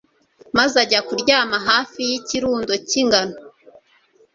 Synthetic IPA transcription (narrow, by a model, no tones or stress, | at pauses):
mazaɟakuɾɟaːmaɦaːfijiciɾuːndo̞ciŋɡano